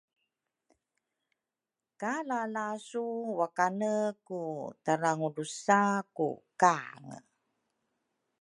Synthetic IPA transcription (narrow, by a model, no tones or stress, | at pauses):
kalalasuwakanəkutaɾaŋudusakṵkaŋə̰